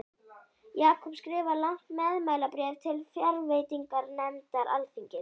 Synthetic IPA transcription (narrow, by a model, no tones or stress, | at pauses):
jaːkʰɔpskɾɪːvalawŋ̥t̪mɛðmaːjlapɾɛːvt̪ʰɪlfjaɾveːjt̪iŋkaɾnɛnt̪aɾʔalfiɲcɪ